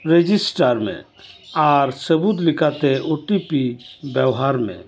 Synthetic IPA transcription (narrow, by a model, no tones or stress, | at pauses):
ɾed͡ʒisʈaɾmḛ̃ | aɾsəbut̪likat̪eʔoʈipibjɛwɦaɾmḛ̃